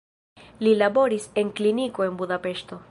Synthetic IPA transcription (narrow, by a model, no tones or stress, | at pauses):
lilabo̞ɾise̞nkliniko̞e̞nbudape̞ʃto̞